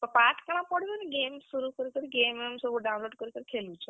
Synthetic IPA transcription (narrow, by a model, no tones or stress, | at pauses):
pəpaʈʰkəɭ̃ãpɔɽʋoniɡemssuɾukəɾikəɾiɡememsuɾuɖawnloːɖkəɾikəɾikʰelũt͡ʃʰə